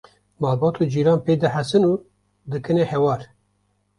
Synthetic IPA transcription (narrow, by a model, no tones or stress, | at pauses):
mɑːlbɑːt̪ʰud͡ʒiːɾɑːnpeːd̪ɨħæsɨnuː | d̪ɨkɨnehɛwɑːɾ